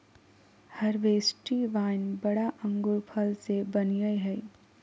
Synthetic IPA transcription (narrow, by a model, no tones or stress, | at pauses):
hɐɾʋeːsʈiʋaːnbɐɽaʔɐ̃ŋɡʊɾpʰɐlsebɐnijəjɦɛ